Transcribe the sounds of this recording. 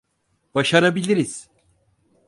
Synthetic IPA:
b̥aʃaɾabilʲiɾiz̥

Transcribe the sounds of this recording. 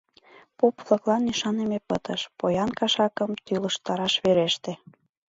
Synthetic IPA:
popflˠɤklɑniʃɑnemepət̪əʃpojɑnkɑʃɑkəmt̪yləʃt̪ɑɾɑʃβeɾeʃt̪e

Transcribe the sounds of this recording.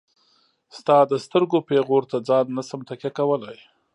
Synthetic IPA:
st̪ɑd̪əst̪əɾɡopeɣoɾt̪ad͡zɑnːasamt̪akʲjakawəlaj

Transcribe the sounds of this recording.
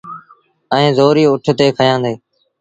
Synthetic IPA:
ɛ̃ːzoːɾiːʊʈʰt̪eːkʰəjãːnd̪eː

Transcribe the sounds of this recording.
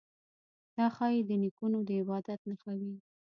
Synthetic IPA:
d̪̥ɑxɑjed̪ənikunod̪əɪbɑd̪at̪̚naxawi

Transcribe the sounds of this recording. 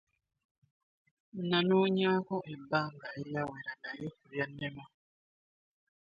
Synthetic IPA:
nãnuɲakɔʔebaŋɡaijawɛɾadajeɾjanːɛma

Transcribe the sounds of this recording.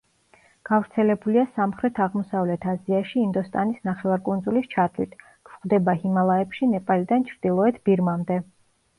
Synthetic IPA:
ɡ̥avɾt̪sʰɛlɛbuliasamχɾɛt̪ʰaʁmɔsavlɛt̪ʰaziaʃiːnd̪ɔst̪ʼanisnaχɛvaɾkʼund̪zulist͡ʃʰat̪ʰlit̪ʰ | kʰχd̪ɛbahimalˠaɛpʃinɛpʼalid̪ant͡ʃʰɾd̪̥ilˠɔɛt̪ʰbiɾmamd̪ɛ

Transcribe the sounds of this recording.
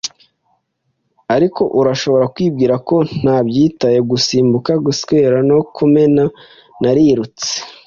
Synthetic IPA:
aɾikʰo̞ʔuɾaʃo̞βo̞ɾakwiːbɡiːɾako̞n̥aːbɟiːtaje̞ɡusiːmbukaɡuskweːɾano̞kʰume̞na | naɾiɾut͡se̥

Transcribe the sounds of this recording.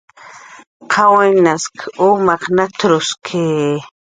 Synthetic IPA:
qʰawenaskʰumaqnat̪ɾʊskʰe

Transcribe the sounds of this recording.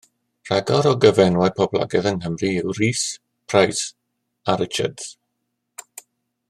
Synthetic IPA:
r̥aɡɔɾɔɡəvɛnwajpʰɔblˠa̰ɡɛðənɦəmriɪwriːs | pʰrajs | aɾɪt͡ʃa̰dz̥

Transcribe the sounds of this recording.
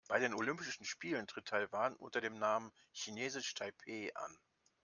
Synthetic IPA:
b̥aɪɾeːnolʏmpɪʃn̩ʃpiːləntʁ̥ɪtʰaɪvaːnʔʊ̰ntɐdeːmnaːmən | çineːzɪʃtʰaɪpʰeːʔa̰n

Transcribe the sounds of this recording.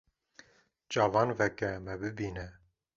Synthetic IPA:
d͡ʒɑːvɑːnvɛkɛmɛbɨbiːnɛ

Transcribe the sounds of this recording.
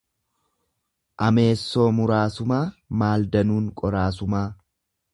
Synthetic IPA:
ʔɐme̞ːsːo̞ːmʊɾaːsʊmaːmaːld̪ɐnuːŋkʼɔɾaːs̬ʊmaː

